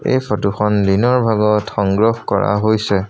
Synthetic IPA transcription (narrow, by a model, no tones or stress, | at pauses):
ḛjpʰɔtuxɔnlinɔɹbʱaɡɔtxɔŋɡɹɔhkɔ̰ɹa̰ɦojsɛ